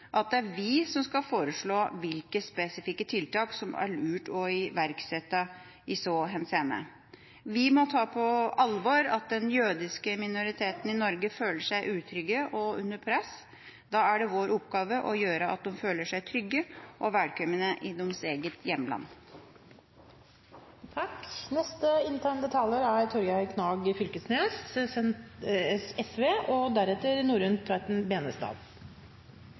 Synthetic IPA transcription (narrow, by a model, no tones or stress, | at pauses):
ʔɑt̪̚d̪ɛæɾʋɪsɔmskɑfoːɾəʂɭoːʋɪlkəspɛsɪfɪkːət̪ʰɪlt̪ɑːksɔmæ̰ɭʉːʈɔɪʋæɾksɛt̪ːɑ | ɪsɔɦɛnseːnə̰ | ʋɪmɔt̪ʰɑːpʰɔɑlʋɔɾɑt̪̚d̪ɛnjøːd̪ɪskəmɪnʊɾɪt̪ʰeːt̪nɪnɔɾɡəføːləʂæɪʔʉːt̪ʰɾʏɡːəʔɔʉnːəɾpʰɾɛs | d̪ɑːæɖɛʋoːɾʊpɡɑːʋəʔɔjøːɾəʔɑ̰t̪̚d̪ɔmføːləʂæɪt̪ʰɾʏɡːəʔɔʋæːɖ̪kʰœmənəʔɪd̪ɔmseːɡət̪ʰjɛmːlɑ̰nː | t̪ʰɑknɛst̪əɪnt̪ʰæːɳd̪ət̪ʰɑləɾæɾt̪ʰɔɾɡɑkʰnɑːɡəfʏlkəsnes | ɛsʋeːʔɔd̪æɾɛt̪ːəɾnuːɾʉnt̪ʰʋɑɪt̪nbeːnəst̪ɑ̰ːd̪